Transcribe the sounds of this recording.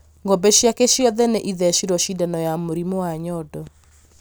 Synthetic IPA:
ŋɡɔbɛɕjakɛʃjɔðɛneʔiðɛʃiɾɔʃidanɔjamoɾimowaɲɔdɔ

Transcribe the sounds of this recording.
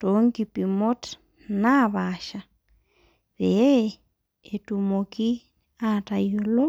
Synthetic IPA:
toŋɡipimot | naβaʃa | βe | etumoki | atajolo

